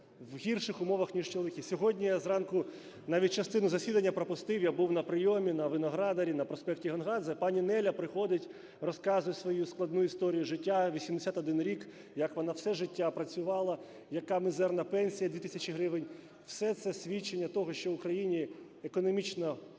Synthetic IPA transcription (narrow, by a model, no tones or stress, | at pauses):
wɦʲirʃɪxʊmɔʋɐxnʲiʃt͡ʃolˠʋɪkisʲɔɦɔdʲnʲijazrɑnkʊ | nɑʋʲitʲt͡ʃɐst̪ɪnʊzɐsʲid̪ɐnʲːɐpɾɔpʊst̪ɪwjabuwnɐpɾɪjɔmʲinɐʋɪnɔɦɾɑd̪ɐɾʲinɐpɾɔspɛktʲiɦɔnɦɑd̪zɐpɑnʲinɛlʲɐpɾɪxɔd̪ɪtʲ | rɔskɑzʊjɛsʋɔjusklˠɐd̪nuist̪ɔɾʲijʊʒɪtʲːaʋʲisʲimd̪esʲat̪ɔd̪ɪnɾʲik | jɐkʋɔnɑwsɛʒɪtʲːapɾɐt͡sʲʊʋɑlˠɐ | jɐkɑmɪzɛrnɐpɛnʲsʲijɐd̪ʲʋʲit̪i̥sʲɐt͡ʃɪɦɾɪʋɪnʲ | wsɛt̪sɛsʲʋʲit͡ʃːenʲːɐt̪ɔɦɔʃt͡ʃɔwʊkɾɐjinʲi | ekɔnɔmʲit͡ʃnɔ